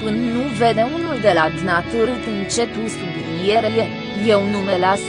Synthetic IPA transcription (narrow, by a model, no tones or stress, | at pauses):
pɨnnuved̪eunuld̪elad̪nat̪uɾit̪ɨnt͡ʃe̞t̪usub̪injeɾeje | jeunumelas